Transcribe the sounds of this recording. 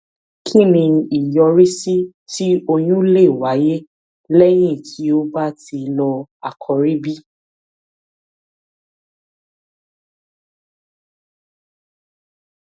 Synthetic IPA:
kʰi˦˨nĩ˧i˨jɔ˧ɾe˦si˦ | ti˦o˧j̃ũ˦le˦˨wa˨˦je˦ | lɛ˦j̃ĩ˦˨kʰi˨˦o˦ba˦ti˧lɔ˧a˨kʰɔ˨˧ɾi˦bi˦

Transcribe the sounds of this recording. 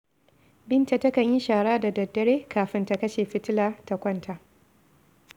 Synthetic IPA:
bɪ˦nta˨tɐ˦kɐ˨ɲji˦ʃaː˨ɽaː˦da˨dɐ˨dːɐ˦ɽeː˦kʰaː˨ɸɪ˦nta˦˨kɐ˦ʃeː˨ɸɪ˦tɪ˦laː˨ta˨kʷɐ˦ntʰa˨ʔ

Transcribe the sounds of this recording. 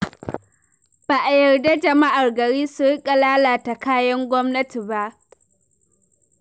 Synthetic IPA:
b̥aː˨ʔa˨jɐ˨rda˦d͡ʒɐ˨ma˦ʔa˨rɡɐ˨ɽiː˦su˨ɽɪ˦kʼa˨laː˦laː˨ta˨kaː˦jɐ˦ŋɡʷɔ˦mnɐ˦ti˨ba˦ʔ

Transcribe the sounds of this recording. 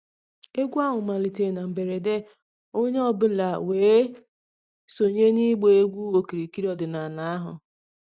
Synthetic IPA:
e˦ɡʷu˦a˦ɦʊ˨ma˨li˨te˨na˨m̩˨be˨ɾe˨de˦ | o˦ɲe˦ɔ˦bʊ˦la˨weː˨˦ | so˨ɲe˦ni˦ɡ͡be˨e˦ɡʷu˦o˨ki˨ɾi˨ki˦ɾɔ˨dɪ˨na˨na˦ɦʊ̰˨

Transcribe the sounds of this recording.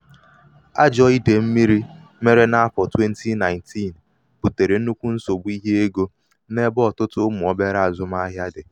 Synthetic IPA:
a̰˦d͡ʒɔ˦i˦de˨m̩˦mi˦ɾi˦ | me˦ɾe˦na˦a˦fɔ˨twe˦n̩˦tʰi˦na˨ɪ˨ntʰi˦˨n | pʊ˨te˨ɾe˨n̩˦nu˦kʷu˦n̩˦so˨bu˦i˦ɦe˦e˦ɡo˦ | ne˦bɔ˨tʊ˦tʊ˦mʊ˨ɔ˨be˦ɾa˦a˨zʊ˦m˦a˦ɦja˦dɪ˨

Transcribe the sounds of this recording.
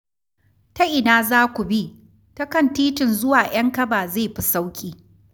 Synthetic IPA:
tɐ˦ʔɪ˨naː˦zaː˦kʷu˨bi˦ | tɐ˦kɐ˦˨ntiː˦tɪ˨nzʊ˦waː˨j̰ɐ˦ŋkɐ˦baː˨zeː˦˨ɸi˦sa˦wkʲʼiː˨

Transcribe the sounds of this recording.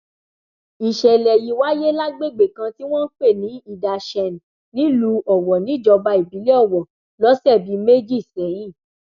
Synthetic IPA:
i˨ʃɛ˨lɛ˨ji˧˦wa˦je˦la˦ɡ͡be˦˨ɡ͡be˨kã˧ti˦w̃ɔ̃˦n̩˦k͡pe˦˨nĩ˨˦i˦˨da˨ʃɛ˨n˨ | nĩ˦lu˧˦ʔɔ˨wɔ˨nĩ˨˦d͡ʒɔ˧ba˧˦i˨bi˨˦lɛ˦ɔ˦˨wɔ˨ | lɔ˨˦sɛ˦˨bi˨˦me˦d͡ʒi˦˨sɛ˨˦j̃ĩ˦˨

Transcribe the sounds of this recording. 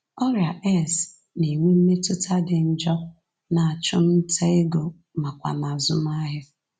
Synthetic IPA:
ɔ˦ɾja˨ʔɛ˦˨s | ne˨ŋʷe˦m̩˦me˦tʊ˦tʰa˦dɪ˨n̩˦d͡ʒɔ˦ | na˨a˨t͡ʃʊ˦m̩˦tʰe˦ɪ˦ɡo˨ | ma˨kʷa̰˨ma˨zʊ˦m˦a˦ɦɪ˦

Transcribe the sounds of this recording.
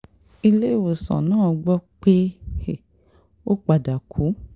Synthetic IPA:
i˧le˦i˦˨wo˨sã̰˨nãː˦˨ɡ͡bɔ˦k͡pe˦he˨ | o˦k͡pa˨da˨kʰu˨˦

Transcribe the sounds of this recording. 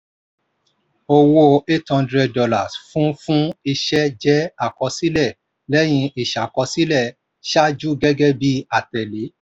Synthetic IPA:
o˧wo˧e˦thɔ̃˧ndɾɛ˧ddɔ˧la˨sfũ˦fũ˦i˧ʃɛ˦d͡ʒɛ˦a˦˨kɔ˧si˦lɛ˦˨ | lɛ˦j̃ĩ˧ʔi˨ʃa˨kɔ˧si˦lɛ˦˨ | ʃa˦d͡ʒu˦ɡɛ˦ɡɛ˦bi˦a˨tɛ˨le˨˦

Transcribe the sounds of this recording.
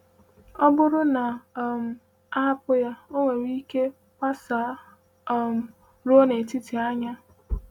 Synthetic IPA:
ɔ˦bʊ˦ɾʊ˦na˨m̩˨ | a˦a˦pʊ˦ja˦o˦ŋʷe˨wʷi˦ke˦ | ka˦sa˨˦˨ | m̩˨ | ɾo˦ne˨ti˦ti˨a˦ɲa˦

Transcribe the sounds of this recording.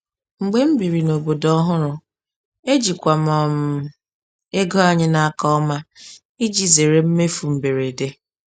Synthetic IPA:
ŋ͡m̩˨ɡ͡be˦m̩˦bi˨ɾi˨no˨bo˨dɔ˦ɦʊ˦ɾʊ˨ | e˦d͡ʒi˨kʷa˨mɔ˨m̩˨ | e˦ɡɔ˦a˦ɲɪ˦na˨a˦kɔ˦ɔ˦ma˦ | i˦d͡ʒi˦ze˨ɾe˦m̩˦me˦fu˨m̩˨be˨ɾe˨de˦

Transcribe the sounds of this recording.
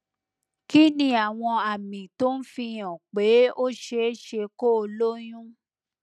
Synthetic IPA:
ki˦nĩ˧a˨w̃ɔ̃˧a˨mĩ˨to˦n̩˦fĩ˧j̃ã˨k͡pe˨˦o˦ʃe˧˦ʃe˧ko˦o˧lo˦j̃ũ˦

